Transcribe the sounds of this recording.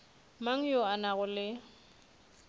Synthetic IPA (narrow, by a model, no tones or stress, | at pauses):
maŋ̩joanaɣʊlɪ